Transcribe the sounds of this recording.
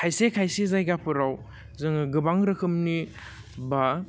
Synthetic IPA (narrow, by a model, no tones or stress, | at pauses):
kʰajsekʰajsizajɡapʰɯɾaw | zɯŋɯɡɯbaŋɾɯkʰɯmni | ba